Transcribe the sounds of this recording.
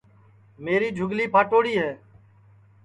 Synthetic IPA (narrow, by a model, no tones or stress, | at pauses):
meːɾiːd͡ʒʱʊɡliːpʰaːʈoːɽiːɦɛː